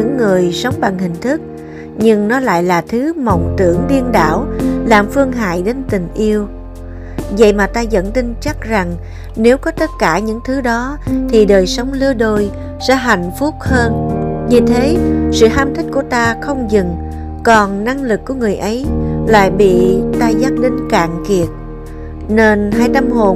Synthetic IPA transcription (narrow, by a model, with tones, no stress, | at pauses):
ɲɨ̰˧˥ŋːɨ˨˩əjsə˨˦wŋ͡mɓa˨˩ŋhï˨˩ŋ̟t̪ʰɨ˦˥k̚ | ɲɨ˧ŋnɔ˨˦la̰ː˧˨jlaː˨˩t̪ʰɨ˨˦mə˨˩wŋ͡mt̪ɨ̰˧˩əŋɗi˧ənɗa̰ː˧˩wlaː˨˩mfɨ˧əŋɦa̰ː˧˨jɗe˨˦nt̪ï˨˩ŋ̟ʔi˧əw | və̰˧˨jmaː˨˩t̪aː˧zə̰˧˨nt̪ï˧ŋt͡ɕa˦˥k̚za˨˩ŋ | ne˨˦wkɔ˨˦t̪ə˦˥t̚kaː˧˩ɲɨ̰˧˥ŋt̪ʰɨ˨˦ɗɔ˨˦t̪ʰi˨˩ɗəː˨˩jsə˨˦wŋ͡mlɨ˧əɗo˧j | sɛ̰ː˧˥ɦa˧˨jŋ̟fʊ˦˥k͡p̚həː˧nvi˨˩t̪ʰe˨˦sɨ̰˧˨ɦaː˧mt̪ʰï˦˥k̟̚ku˧˩ət̪aː˧xə˧wŋ͡mzɨ˨˩ŋ | kɔ˨˩nna˧ŋlɨ˨˩kːu˧˩əŋɨ˨˩əjʔə˨˦jla̰ː˧˨jɓḭ˧˨t̪aː˧zaː˦˥k̚ɗï˧ŋ̟ka̰ː˧˨ŋki˨˩ət̚ | ne˧nɦaː˧jt̪a˧mho˨˩